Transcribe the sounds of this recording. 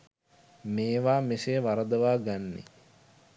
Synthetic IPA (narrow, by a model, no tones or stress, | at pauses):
meːʋaːmeseʋaɾəd̪əʋaːɡanːḛ